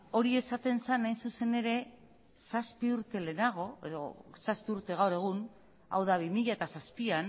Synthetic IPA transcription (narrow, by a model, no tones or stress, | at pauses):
o̞ɾie̞sat̪e̞nsanːajnsuse̞ne̞ɾe̞ | saspiuɾt̪e̞le̞ːnaɣ̞o̞e̞̰ðo̞̰saspiuɾt̪e̞ɣawɾe̞ɣ̞un | a̰wðaβimiʎaet̪asaspian